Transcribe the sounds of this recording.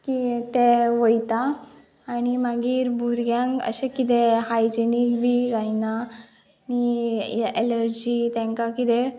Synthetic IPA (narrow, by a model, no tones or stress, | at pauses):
kit̪eʋəjt̪aː | ñimaɡiːɾbʱuɾɡjãŋkə̰ɕekit̪eɦajd͡ʑenikbʱiːzajna | ni | eləɾd͡ʑiːt̪ɛ̃ŋkakit̪e